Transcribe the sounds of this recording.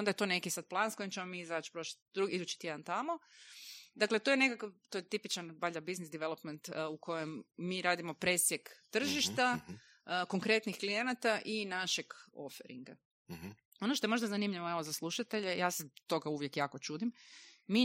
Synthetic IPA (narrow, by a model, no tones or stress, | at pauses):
ond̪ajet̪o̞ne̞kisad̪̚plˠaːnskojimt͡ʃemo̞miizat͡ʃpɾo̞ʃḁt̪̚ʲd̪ɾuɡiid̪ut͡ʃi̥t̪je̞d̪ant̪amo | d̪aklet̪ojene̞kakat̪ojet̪ipit͡ʃanbaʎabiznisd̪iʋelˠopment̪ukʰo̞jemːiɾaːd̪imo̞pɾe̞sjekt̪r̩ʒiʃt̪a | ko̞ŋkɾe̞t̪nixklije̞nat̪aʔinaʃeɡo̞̰fḛɾḭŋɡa | o̞noʃt̪oemo̞ʒd̪azanimʎiʋoeʋozaslˠuʃat̪e̞ʎejaːset̪o̞ɡauʋje̞kjaːko̞t͡ʃuːd̪imːi